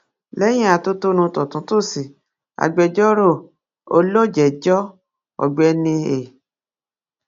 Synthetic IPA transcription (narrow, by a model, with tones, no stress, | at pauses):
lɛ˦j̃ĩ˦a˨to˦to˦nũ˧tɔ˨tũ˨˦to˦˨si˨ | a̰˨ɡ͡bɛ˧d͡ʒɔ˦ɾo˦˨ | o˧lo˦˨d͡ʒɛ˨d͡ʒɔ˦ | ɔ̰˨ɡ͡bɛ˧nĩ˧e˨